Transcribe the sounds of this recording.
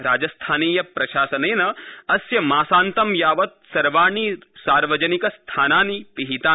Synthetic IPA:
ɾaːd͡ʒɐst̪ʰaːniːjɐpɾɐʃaːsɐneːnɐɐsjɐmaːsaːnt̪ɐmjaːʋɐt̪̚sɐɾʋaːɳiːsaːɾʋɐd͡ʒɐnikɐst̪ʰaːnaːnipiɦit̪aː

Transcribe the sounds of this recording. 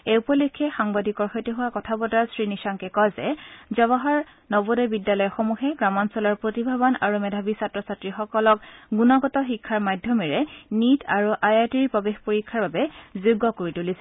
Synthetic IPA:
eupɔlikʰːɛxaŋbadikɔɹxɔjteɦʊwakɔtʰabɔdaɹsɹinisaŋkɛkɔjzɛzɔβɔɦaɹ | nɔbodɔbidjalɔjɔxomuxɛɡɹamɔnsɔlaɹpɹotibʱabɔna̰ɹumɛdʱabisatɹɔsatɹixɔkɔlɔk̚ɡunɔɡɔtɔxikʰːaɹmadʱjɔmiɹɛnitʰaɹuʔajatiɹipɹɔbexpoɹikʰːaɹbabɛzuɡːɔkoɹitulisɛ

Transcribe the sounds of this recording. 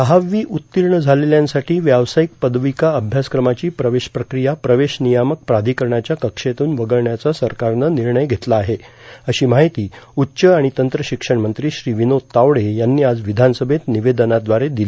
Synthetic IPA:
əɦaʋiːʔut̪ːiɾɳəd͡zʱaleljãnsaʈʰiːʋjaʋsaik̚pəd̪ʋikaəbʱjaskɾəmat͡ɕiːpɾəʋeɕpɾəkɾijapɾəʋeɕnijamək̚pɾad̪ʱikəɾɳjat͡ɕjakəkʂet̪uːnʋəɡəɭɳjat͡sasəɾkaɾnəniɾɳəjɡʱet̪laːɦeəɕiːmaɦit̪iːutːɕəaɽ̃it̪ənt̪ɾəɕikʂəɳmənt̪ɾiːɕɾiːʋinot̪ːaʋɽejanːiːad͡zʋid̪ʱansəbʱet̪niʋed̪ənad̪ʋaɾed̪ili

